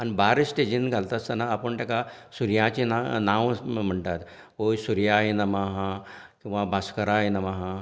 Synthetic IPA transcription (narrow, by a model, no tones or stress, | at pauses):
anibaɾsʈed͡ʑinɡʱalt̪ast̪ənaːpəɳt̪jakasuɾjãt͡ɕinanãʋm̤əɳt̪at̪ | ɦojsuɾjaɦinəmaɦãkĩw̃ʋabʱaskəɾaɦjnəmaɦã